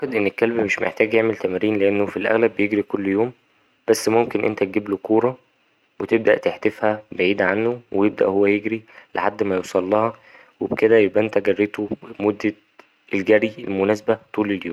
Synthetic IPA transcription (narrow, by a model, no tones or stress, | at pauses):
æqed̪ʔenːekːælbmeʃmḛħt̪æːɡjeʕmelt̪æmɾiːnleʔenːofilʔæ̰ɣlæbːejeɡɾikolːjoːm | b̥æsːmomkenʔḛnt̪æt̪̚ɡeblokuːɾˤɑ | wet̪eb̚d̪æʔt̪eħt̪efhæbeʕiːd̪ʕanːowʔejeb̚d̪æ̰ʔhowːæjeɡɾileħad̪ːmæjewsˤɑlːɑhɑ | webked̪æjebʔæʔent̪æɡærːet̪omod̪ːæ | ʔelɡæɾiʔelmonæːsbæt̪ˤuːleljo̰ːm